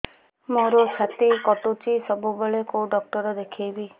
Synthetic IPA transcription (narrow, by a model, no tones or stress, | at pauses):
moɾot͡ʃʰat̪ikɔʈut͡ʃisɔbubeɭekoɖɔk̚ʈɔɾɔd̪ekʰijbi